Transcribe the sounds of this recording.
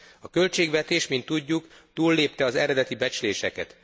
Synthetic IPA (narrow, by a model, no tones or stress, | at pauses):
ɒkø̞lt͡ʃeːɡʋɛt̪eːʃmint̪ːuɟːuk | t̪uːlːeːp̚t̪ɛɒzɛɾɛd̪ɛt̪ibɛt͡ʃyleːʃɛkɛ̰t̪